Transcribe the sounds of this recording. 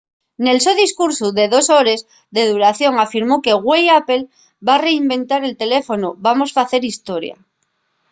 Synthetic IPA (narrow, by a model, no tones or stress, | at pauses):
ne̞lsoðiskuɾsuðe̞ðo̞soɾe̞z | ðe̞ð̞uɾaθjo̞ŋafiɾmoke̞ɣwejape̞l | bare̞imbẽ̞nt̪aɾe̞lt̪e̞lefo̞nuβamo̞sfaθe̞ɾist̪o̞ɾja̰